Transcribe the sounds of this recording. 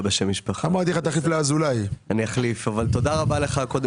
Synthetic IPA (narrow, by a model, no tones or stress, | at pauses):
beʃemiʃpaχamaʁt̪̬ieχat̪aχliflaazulajaniaχlifavalt̪o̞d̪aʁabale̞χako̞d̪e